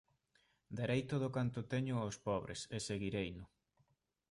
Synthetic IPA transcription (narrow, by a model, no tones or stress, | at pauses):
d̪eɾejt̪oðʊkant̪ʊt̪eɲʊospɔβɾḛseseɣiɾejnʊ